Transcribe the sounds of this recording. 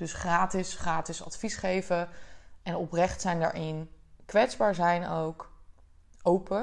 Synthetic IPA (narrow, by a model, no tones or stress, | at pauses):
d̥ɵsχraːtɪsχraːtɪsɑ̰tfisχejvəɛnɔprɛχtsɛjndə̰ɹʔɪnkʋɛtzbaːɹzɛjnowk | owpə